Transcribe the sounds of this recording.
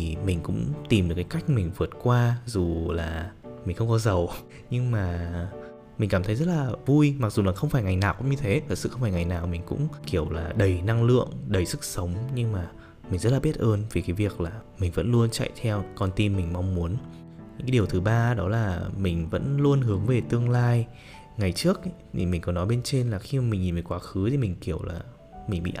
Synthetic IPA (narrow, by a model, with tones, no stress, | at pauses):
i˨˩mï˨˩ŋ̟kʊ̰˧˥ŋ͡mt̪i˨˩mɗɨ˨˩kːaː˨˦jka˦˥jk̟̚mï˨˩ŋ̟vɨ˨˩ət̚kwaː˧zu˨˩laː˨˩mi̟˨˩xə˧ŋ͡mkɔ˨˦zə˨˩w | ɲɨ˧ŋmaː˨˩ | mï˨˩ŋ̟kaː˧˩t̪ʰə˨˦jzə˦˥t̚laː˨˩vu˧jma˨˩k̚zu˨˩laː˨˩xə˧wŋ͡mfaː˧˩jŋa˨˩jnaː˨˩wkʊ̰˧˥ŋ͡mɲɨ˧t̪ʰe˨˦t̪ʰə˨˩sɨ̰˧xwŋ͡mfaː˧˩ŋa˨˩jnaː˨˩wmï˨˩ŋ̟kʊ̰˧˥ŋ͡mki˧˩əwlaː˨˩ɗə˨˩jna˧ŋlɨ̰˧˨əŋɗə˨˩jsɨ˦˥k̚sə˨˦wŋ͡mɲɨ˧ŋmaː˨˩ | mi˨˩ŋ̟zə˦˥t̚laː˨ɓi˦˥ət̚ʔəː˧nve˨˩kaː˨˦jvi˨˩ək̚laː˨˩mï˨˩ŋ̟və̰˧˥nlu˧ənt͡ɕa̰˧˨jt̪ʰɛ˧wkɔ˧nt̪i˧mmï˨˩ŋ̟ma˧wŋ͡mmu˨˦ənɲɲɲ̰˧˥kːa˨˦ɗəwt̪ʰɨ˨˩ɓaː˧ɗɔ˨˦laː˨˩mï˨˩ŋ̟və̰˧˥nlu˧ənɦɨ˨˦əŋve˨˩t̪ɨ˧əŋlaː˧j | ŋa˨˩jt͡ɕɨ˦˥ək̚t̪ʰi˨˩mi˨˩ŋ̟kɔ˨˦nːɔ˨˦jɓe˧nt͡ɕe˧nlaː˨˩xi˧ma˨˩mï˨˩ŋ̟ɲi˨˩ve˨˩kwaː˨˦xɨ˨˦t̪ʰi˨˩mï˨˩ŋ̟ki˧˩əwlaː˨˩ | mï˨˩ŋ̟ɓḭ˧˨ʔ